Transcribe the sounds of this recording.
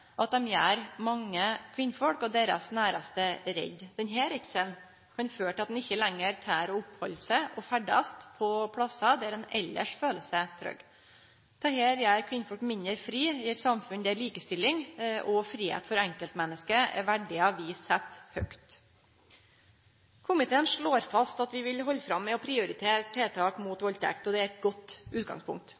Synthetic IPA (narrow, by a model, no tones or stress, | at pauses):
ʔɑt̪̚d̪ɛmjæːɾmɑŋːəkʰʋɪnfɔɽkɔd̪eːɾɑ̰snæːɾɑst̪əɾɛ̰ɟ̪d̪̥ɛnɦeːɾɪksən | kʰɑnføːʈɑt̪d̪nɪçːəlɛŋːəɾt̪ʰæːɾɔʊphɔlsəʔɔfæɖɑst̪pʰɔpʰlɑsɑd̪ɛæɾɛnɛ̰lːə̰ʂføːləsət̪ʰɾœ̰ɡ | t̪ʰɑːheːɾjæːɾkʰʋɪnfɔɽkmɪnəɾfɾiːɪɛt̪sɑmfʉnd̪ææɾliːkəst̪ɪlːɪŋʔɔfɾiːhḛːt̪fɔɾɛŋkəlt̪mɛnːəskəɛ̰ʋæɖɪɑʋiːsɛt̪ːhœkt̪ | kʰʊmɪt̪ʰeːənʂɭoːɾfɑst̪ɑt̪ʋɪʋɪlɦɔlːfɾɑmːɛɔpʰɾɪʊɾɪt̪ʰeːɾʈʰːeːt̪ʰɑːkmuːt̪ʋɔlt̪əɛ̰kt̪ɔd̪ɛæɾɛt̪̚ɡɔt̪ːʉːt̪̚ɡɑ̰ŋspʰʊ̰ŋk̚t̪